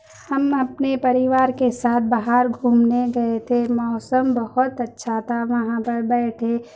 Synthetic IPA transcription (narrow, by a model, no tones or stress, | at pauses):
hɐmɐpnepɐɾɪʋaːɾkesaːt̪̚ʰbaɦaɾɡʱuːmneɡɐet̪ʰemɔːsəmbɐɦʊt̪ɐtːʃʰat̪ʰaʋɐɦãpɐɾbɛːʈʰe